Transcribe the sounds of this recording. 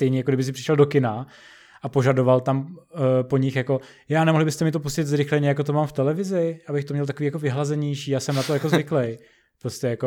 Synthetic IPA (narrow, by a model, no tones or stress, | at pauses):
st̪ɛjɲɛjakoɡdɪbɪs̬ɪpr̥ɪʃɛldo̞kɪna | ʔapo̞ʒado̞valt̪ampo̞ɲɪxjako̞ | jaːnɛmoɦlɪbɪst̪ɛmɪt̪o̞puscɪt̪zɾɪxlɛɲɛjakot̪omaːmft̪ɛlɛvɪzɪʔabɪxt̪omɲɛlt̪akoiːjako̞vɪɦlazɛɲɛjʃiːjaːsɛmnat̪ojakozvɪklɛj | pɾoscɛjako